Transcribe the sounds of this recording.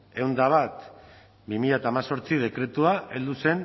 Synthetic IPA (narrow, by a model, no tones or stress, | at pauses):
e̞wnd̪aβat̪ | bimiʎat̪aːmaso̞ɾt͡sið̞e̞kɾe̞t̪uaʔe̞ld̪use̞n